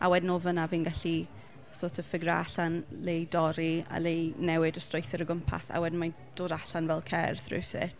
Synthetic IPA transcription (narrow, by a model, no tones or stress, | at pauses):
ʔa̰wɛdnovənaviːnɡaɬi | soːtʰəfɪɡraa̰ɬanlejdɔɾia̰lejnɛwɪdəstrojθɪɾəɡʊmpʰa̰sa̰wɛdn̩ma | d̥oːdaɬanvɛlˠkʰɛ̰rθrɪ̰wsɪ̰t